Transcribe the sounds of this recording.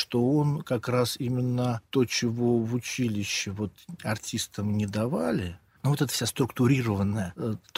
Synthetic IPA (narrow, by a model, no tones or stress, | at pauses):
ʂt̪o̞o̞nkɐkɾasimʲɪnːət̪o̞t͡ɕɪvo̞vʊt͡ɕilʲɪɕːɪvo̞t̪ɐrtʲist̪əmnʲɪd̪ɐvalʲɪ | nuvo̞t̪ɛt̪ə̥fsʲast̪ɾʊkt̪ʊɾʲiɾəvənːəjət̪